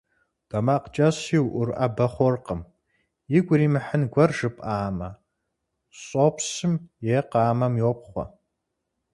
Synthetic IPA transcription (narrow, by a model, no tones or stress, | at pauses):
d̥ɐmaːqt͡ʃʼɐɕiwʔʊrʔa̰bɐχʷɔrqəm | jɪɡʷʊɾiːmɨħənɡʷɐrʒɨpʼaːmɐ | ɕʼopʰsɨmjeːqɑːmɐmjoːp̚ʰχʷɔ̰